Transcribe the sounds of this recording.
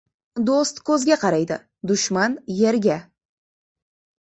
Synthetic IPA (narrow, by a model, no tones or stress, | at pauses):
d̪ost̪kʲʰɵzɡʲeqʰɑɾɑjd̪ə̰ | d̪ʊʃmɑnjeɾɡʲe